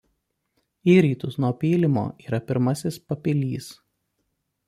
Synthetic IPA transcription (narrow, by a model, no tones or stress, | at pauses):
iːɾʲiːt̪ʊsnuɔpʲiːlʲɪmo̰ːiːɾɐpʲɪɾmɐsʲɪspɐpʲɪlʲiːs